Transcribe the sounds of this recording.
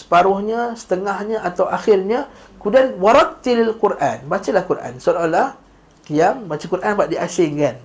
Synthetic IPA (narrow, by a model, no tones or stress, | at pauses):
sə̥paɾʊhɲə̃sə̥t̪əŋahɲə̃at̪awʔaxɪrɲə̃ | kudanwaɾak̚t̪ilalkuɾʔanbat͡ʃalahkuɾʔa̰nsalalah | kiambat͡ʃakuɾʔanpaʔ̚diʔasɪŋkan